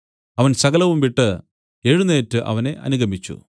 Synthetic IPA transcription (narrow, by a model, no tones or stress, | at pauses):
ɐʋɐnsɐɣɐlɐʋumʋiʈːɨ | eɻunːe̞ːtːɨʔɐ̰ʋɐne̞ʔɐ̰nuɡɐmit͡ɕːṵ